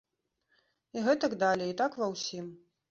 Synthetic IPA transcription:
iɣɛt̪ɐɡd̪alʲɛit̪akvɐwsʲim

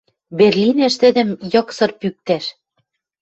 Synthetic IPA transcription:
βerlʲinæ̆ʃt̪ɘ̆d̪ɘ̆mjɤ̆ksɤ̆rpyk̚t̪æʃ

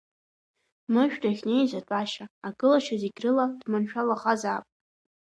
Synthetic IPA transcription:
mɨʒᶣdʰaχʲnejzatʷʼaʃaaɡʼɨlaʃaziɡʲrɨladmanʃᶣalaχazaːpʼ

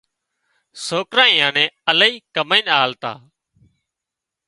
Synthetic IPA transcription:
soːkɾãːĩːãːnẽːələiːkəməiːnaːlt̪a̰ː

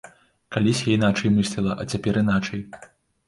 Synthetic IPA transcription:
kalʲisʲjainat͡ʂɐjmɨsʲlʲilˠɐʔɐ̰t͡sʲapʲɛɾin̪at͡ʂɐj

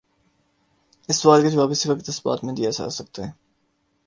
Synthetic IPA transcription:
ɪsʋaːlked͡ʒʋaːbɪsiʋɐkt̪ɐsba̰ːt̪mẽd̪iasa̰ːsɐk̚t̪aɦɛ̃ː

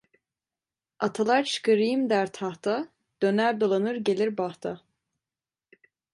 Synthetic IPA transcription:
at̪ʰalˠaɾt͡ʃʰɯ̥kʰɯɾɯjɯmd̪æɾt̪ʰaht̪ʰa | d̪̥ønæɾd̪olˠanɯɾɟelʲiɾbaht̪ʰa

